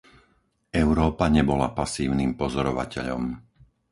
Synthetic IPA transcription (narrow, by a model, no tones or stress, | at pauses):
ɛʊɾɔːpaɲɛbɔlapasiːʊniːmpɔzɔɾɔʋa̰cɛ̰ʎɔ̰m